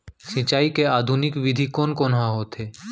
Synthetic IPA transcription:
sɪ̃t͡ʃaːikeaːd̪ʱunɪkʋɪd̪ʱikoːnkoːnɦãɦoːt̪ʰeː

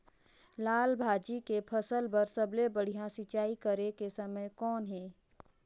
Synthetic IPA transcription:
laːlbʱaːd͡ʒikepʰɐsəlbɐɾsɐblebɐɽ̤ijãsɪt͡ʃaːikɐɾekesɐməjkɔːnɦɛː

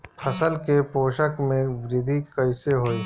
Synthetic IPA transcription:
pʰɐsəlkepoːʃəkmẽʋɾɪd̪ʱikəɪseɦoːiː

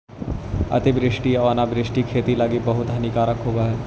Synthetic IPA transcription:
ɐ̰t̪ibɾɪʃʈiɐʋaːnabɾɪʃʈikʰeːt̪ilaːɡibɐɦʊt̪ɦɐnikaːɾəkɦoːɡaɦɛː

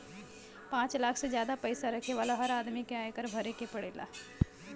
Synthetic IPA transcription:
pãːt͡ʃlaːkʰsezjaːd̪apɐɪsaɾɐkʰeʋaːlaɦɐɾaːd̪mikeaːekəɾbʱɐɾekepɐɽeːla̰ː

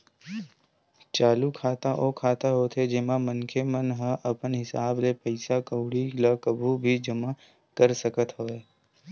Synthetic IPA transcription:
t͡ʃaːlukʰaːt̪aʔoːkʰaːt̪aɦoːt̪ʰed͡ʒɪmamənkʰemənɦə̃ʔɐpənɦɪsaːblepəɪsakəʊɽilakəbʱubʱid͡ʒɐma | kəɾsəkət̪ɦoːeː

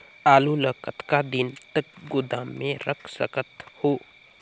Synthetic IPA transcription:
aːluləkət̪kad̪ɪnt̪əkɡʊd̪aːmːẽɾəkʰsə̰kət̪hoː

